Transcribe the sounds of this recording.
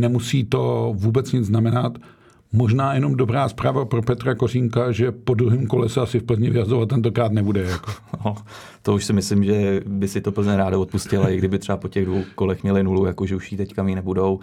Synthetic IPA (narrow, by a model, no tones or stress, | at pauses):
nɛmusiːt̪o̞vuːbɛt͡sɲɪd͡zznamɛnat̪ | mo̞ʒnaːjɛno̞mdo̞bɾaːspɾaːvapɾopɛt̪ɾakoriːŋkaʒɛpo̞d̪ɾuɦiːmko̞lɛsɛasɪfpl̩zɲɪvɪjazovat̪ːɛnt̪o̞kɾaːt̪nɛbudɛjakono | t̪ouʃsɪmɪslɪmʒɛbɪsɪt̪opl̩zɲɛɾaːdaot̪puscɪlaɪɡdɪbɪt̪r̝ɛbapocɛɣdvowkolɛxmɲɛlɪnulujakoʒɛuʃjiːt̪ɛckamiːnɛbudo̞w